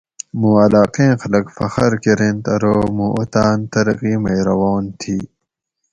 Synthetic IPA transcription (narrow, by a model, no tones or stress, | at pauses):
mũːɐlaːqẽːxɐlɐkfɐxɐɾkeɾẽnt̪ɐɾoːmũʔot̪aːnt̪ɐɾɐqiːmɐjɾɐwoːnt̪ʰiː